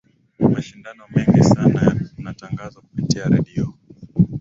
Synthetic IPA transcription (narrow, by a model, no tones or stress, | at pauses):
maʃindanɔmɛŋɡisanaunataŋɡazakupitiaɾɛɗiɔ